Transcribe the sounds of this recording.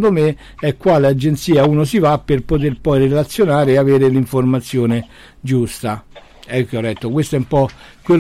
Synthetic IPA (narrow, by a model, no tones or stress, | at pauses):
d̪ome | ɛkːwaːlead͡ʒːent̪siːauːnosivapːerpot̪̬erpɔjrelat̪sːjonaːɾeːaveːɾeliɱformat̪sːjoːne | d͡ʒust̪a | ɛkːiɔlːɛt̪ːokwest̪oɛumpɔ | kwe